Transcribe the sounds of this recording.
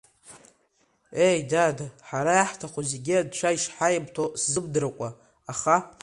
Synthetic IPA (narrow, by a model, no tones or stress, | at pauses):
e̞jdadaħaɾajaħtʰaχʷozeɡʲiadt͡ʃʷʰaiʃħajabtʰoszɨb̚dɨɾakʷʼaː | χa